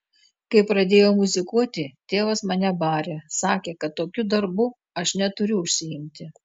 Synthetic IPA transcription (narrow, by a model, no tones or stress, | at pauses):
kɐɪpɾɐd̪ʲeːjoːmʊzʲɪkuɔt̪ʲɪt̪ʲeːʋɐsmɐnʲɛbɑːɾʲeːsɑːkʲeːkɐt̪ːoːkʲʊd̪ɐɾbʊ | ɐʃnʲɛt̪ʊɾʲʊʊʃʲsʲɪɪmʲt̪ʲɪ